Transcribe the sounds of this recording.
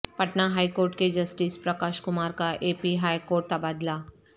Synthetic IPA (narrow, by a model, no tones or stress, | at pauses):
pɐʈnaɦaːikoːɾʈ̚ked͡ʒɐsʈiːspɾɐkaːʃkʊmaːɾkaʔeːpiɦaːjkoːɾʈ̚t̪ɐbaːd̪laː